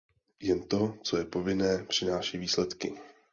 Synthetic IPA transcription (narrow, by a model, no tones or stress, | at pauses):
jɛnt̪o̞t͡so̞jɛpo̞vɪnɛːpr̥ɪnaːʃiːviːslɛt̪kɪ